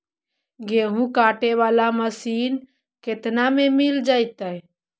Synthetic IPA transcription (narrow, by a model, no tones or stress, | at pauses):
ɡeɦũkaʈeʋalaməsiːn | ket̪namemild͡ʒaːjt̪ə